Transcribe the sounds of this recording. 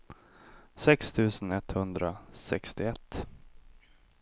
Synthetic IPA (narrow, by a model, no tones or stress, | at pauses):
sɛkst̪ʰʉ̟ːsənɛt̪hɵnd̪ɾasɛkst̪ɪɛt̪ː